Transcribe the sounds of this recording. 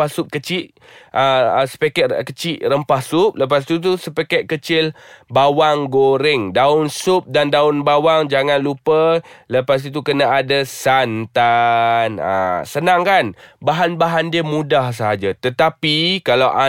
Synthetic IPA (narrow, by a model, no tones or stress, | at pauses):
asʊʔ̚kət͡ʃɪʔ | ʔəəsə̥pakɛkət͡ʃɪʔrəmpahsʊp̚ləpas̬it̪ut̪usəpakɛt̪̚kət͡ʃɪlbawaŋɡoɾɪŋdaʊnsʊp̚dandaʊnbawaŋd͡ʒaŋanlupələpas̬it̪ukənaadasant̪ana̰sənaŋkanbaɦanbaɦandiəmudahs̬əɦad͡ʒat̪ət̪apikalawʔa